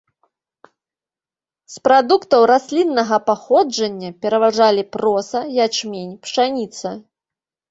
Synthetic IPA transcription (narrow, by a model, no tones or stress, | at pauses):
spɾad̪ukt̪ɐwɾasʲlʲinːɐɣɐpaxɔd͡ʐɐnʲːɐpʲɛɾɐvaʐalʲipɾɔsɐjat͡ʂmʲenʲpʂanʲit̪sɐ